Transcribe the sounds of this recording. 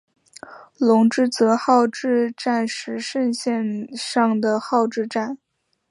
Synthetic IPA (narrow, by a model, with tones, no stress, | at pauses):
lʊ˧˥ŋʈ͡ʂɻ̩˥˩t͡sɤ˧˥xɑ˥˧ʊʈ͡ʂɻ̩˥˧ʈ͡ʂa˥˩nʂɻ̩˧˥ʂə˥˧nɕjɛ˥˧nʂɑ˥˩ŋd̪ə˩xɑ˥˧ʊʈ͡ʂɻ̩˥˧ʈ͡ʂa˥˩n